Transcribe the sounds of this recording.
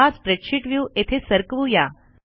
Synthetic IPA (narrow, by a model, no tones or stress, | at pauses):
at͡spɾekɕʰiʈʋjuːet̪ʰesəɾkʋuja